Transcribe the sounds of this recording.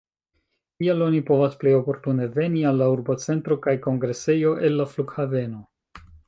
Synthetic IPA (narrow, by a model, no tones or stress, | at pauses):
tialo̞nipo̞vasple̞jo̞po̞ɾtune̞ve̞nialːauɾbo̞t͡se̞ntɾo̞kajko̞ŋɡɾe̞se̞jo̞ʔe̞lːafluɡhave̞no̞